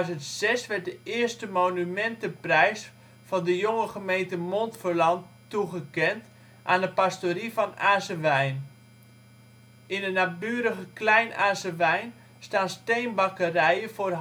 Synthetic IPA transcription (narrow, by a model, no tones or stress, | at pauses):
ɥsətsɛsʋɛrt̚dəɪəstəmoːnymɛntəprɛjs | fɔndəjoŋəχəmejntəmontfəɹlɑntː | uɣəkɛnt | ʔaːndəpastorifɔnaːsəʋɛjn | ʔɪndənaːbyːəɾəɣəklɛjnaːsəʋɛjn | staːnstejnbakərɛjəfor